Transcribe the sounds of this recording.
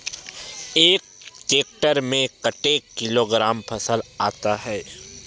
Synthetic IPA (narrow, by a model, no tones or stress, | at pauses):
eːk̚t͡ʃeːk̚ʈəɾmẽkəʈeːkːɪloːɡɾaːmpʰɐsəlaːt̪aɦɛː